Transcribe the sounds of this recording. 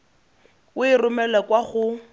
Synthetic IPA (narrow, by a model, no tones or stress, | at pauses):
wʊɪrʊmɛlɛkʼwaχʊ